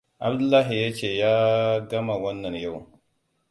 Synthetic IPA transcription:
a̰˨bdu˦lːa˦ɦi˨ja˦t͡ʃe˨ja˦ɡa˦ma˨wa˦nːa˨nja˦w

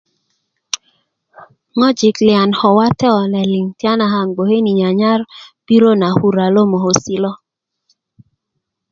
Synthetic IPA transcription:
ŋɔ˦d͡ʒi˨klɪ˨a˨nhɔ˨wa˦tɛ˦ɔ˨nɛ˨li˨ŋtja˦na˨ɦa˨ŋɡ͡bo˨he˦ni˨ɲa˨ɲa˦rb̥i˦ɾo˦na˨hu˦ɾa˨lo˦mo˨ɦo˨si˦lɔ˦

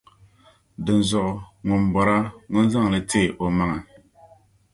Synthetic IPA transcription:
dɨ˨n˨zʊ˨ʔʊ˨ŋʊ˨nbɔ˨ɾa˦ŋʊ˦n˦za˦ŋ˨lɨ˨teː˦˨ʔo˨ma˦ŋa˨

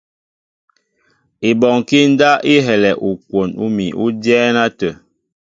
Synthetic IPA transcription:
i˨bɔ˨ŋki˦n̩˦da˦ʔi˦ɦɛ˨lɛ˨ʔu˨kwo˨nu˦mi˨ʔu˦djɛː˦na˦tə˨

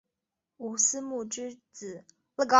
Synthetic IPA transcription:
u˨˩sɹ̩˥mu˥˩ʈ͡ʂɻ̩˥t͡sɹ̩˨˩˦ | lə˥˩ɡɑ˥˧

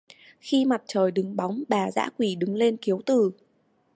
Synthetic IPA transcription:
xi˧ma˨˩t̚t͡ɕəː˨˩jɗɨ˨˦ŋɓa˨˦wŋ͡mɓaː˧˨˩za̰ː˧˥kwi˧˩ɗɨ˨˦ŋle˧nki˨˦əwt̪ɨ˨˩

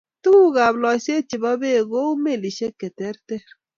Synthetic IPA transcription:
tu˦u˦ɣa˨blɔ˨se˦t͡ʃi˨bɔ˦be˦˨ɣo˦u˦me˦˨li˨ʃe˦ke˨tɛ˦ɾtɛ˦ɾ

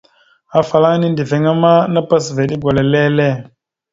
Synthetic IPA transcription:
a˨fa˨la˦ŋ˦ni˦ndi˨ve˨ŋa˦ma˦na˦pa˦s̬ve˨ɗi˦ɡʷa˨le˨le˦le˦˨

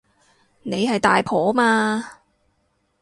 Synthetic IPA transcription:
ne˨˧jɦɐ˨jt̪aː˨jpʰɔː˨˥maː˧

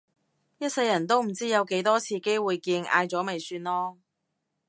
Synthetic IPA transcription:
jɐ˥t̚sɐ˧jːɐ˨˩nt̪o˥wm̩˨˩t͡siː˥jɐ˨˧wke˨˥jt̪ɔː˥t͡sʰiː˧ke˥jwuː˨jkiː˧nʔa̰ː˧jt͡sɔː˨˥me˨˩jsyː˧nlɔː˥

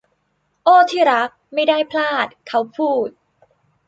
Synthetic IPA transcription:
ʔoː˥˩t̪ʰiː˥˩ɾa˦˥k̚ma˥˩jdaː˥˩jpʰlaː˥˩t̪̚kʰa˦˥wpʰuː˥˩t̪̚

